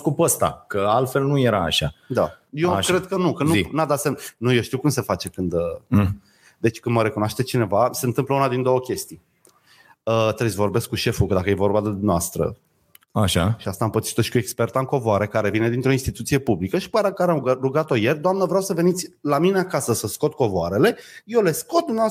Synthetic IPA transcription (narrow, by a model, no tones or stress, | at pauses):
kupəst̪a̰kəalt̪fe̞lnuje̞ɾa̰ːʃad̪ajekɾed̪̚kənukənnunad̪at̪semnujoʃt̪iwkumse̞fat͡ʃe̞kɨnd̪ə | d̪e̞t͡ʃʲkɨnd̪məɾe̞kunoaʃt̪et͡ʃine̞vaseɨnt̪ɨmpləunad̪ind̪o̞wəkʲe̞st̪ij | ət̪ɾezʲvo̞rbe̞skːuʃe̞fukəd̪akəje̞vo̞rbad̪ed̪umneast̪ɾə̰ | aʃa̰ʃiast̪ampət̪si̥t̪oʃi̥kue̞kspe̞rt̪aɨŋko̞voaɾe̞kaɾe̞vine̞d̪int̪ɾo̞inst̪it̪ut̪sije̞publikəʃi̥paɾakaɾeaəruɡat̪o̞je̞rʲd̪oamnəvɾʲawsəve̞nit̪sʲlamine̞akasəsəsko̞t̪̚ko̞voaɾe̞le̞jewle̞skot̪̚d̪umnava